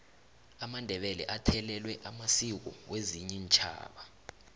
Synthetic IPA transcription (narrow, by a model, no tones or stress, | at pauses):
amandʱɛɓɛlɛ̰ʔatʰɛlɛlwɛʔamasik̬ɔ̰weziɲɛnt͡ʃʼʰa̰ːɓa